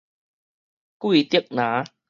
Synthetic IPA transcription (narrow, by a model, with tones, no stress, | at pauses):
kwi˥˨t̪i˦˥ək̚nã˨˦